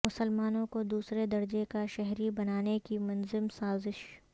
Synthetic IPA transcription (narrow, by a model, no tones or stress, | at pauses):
mʊsəlmaːnõkod̪uːsɾed̪ɐɾd͡ʒekaʃɛɦɾibɐnaːnekimɐnzɪmsaːzɪʃ